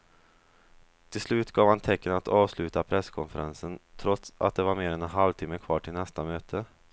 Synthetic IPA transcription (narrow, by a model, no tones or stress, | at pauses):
t̪ʰɪlslʉ̟ːt̪ɡɑːvhant̪ʰɛkːənat̪ɑːvslʉ̟ːt̪apʰɾɛskʰɔnfəɾʔansənt̪ʰɾɔt̪sa̰t̪̚d̪ɛvaɾmeːɾɛnɛnɦalvt̪ʰɪːmːəkʰvɑːʈʰɪlnɛst̪amøːt̪ʰə